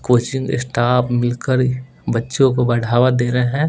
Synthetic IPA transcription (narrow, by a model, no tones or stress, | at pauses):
koːt͡ʃɪ̃ŋɡɪ̰sʈaːpmɪlkəɾ | bɐtːʃõkobɐɽ̤ʱaːʋad̪eːɾəɦɛ̃ː